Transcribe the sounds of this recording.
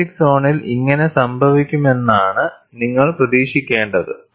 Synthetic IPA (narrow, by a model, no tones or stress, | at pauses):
ikso̞ːɳiliŋːɐne̞sɐmbʱɐʋikʲːume̞nːaːɳɨ | niŋːɐɭprɐðiːʂikʲːe̞ːɳɖɐðɨ̰